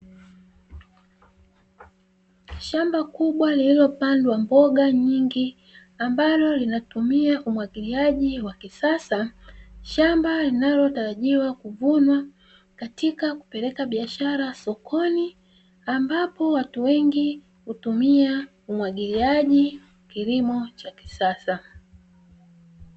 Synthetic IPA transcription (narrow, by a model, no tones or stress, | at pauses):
ʃambakuɓwalililɔpandɛwambɔɠaɲiŋɡi | ambalɔlinatumiaʔumwaɠiliaʄiwakisasaʃambalinalɔtaɾaʄiwakuvunwa | katikaku̥pɛɾɛkaɓiaʃaɾasɔkʰɔni | ambapɔwatuwɛŋɡi | hutumia | umwaɠiliaʄiw | kilimɔt͡ʃaki̥sasa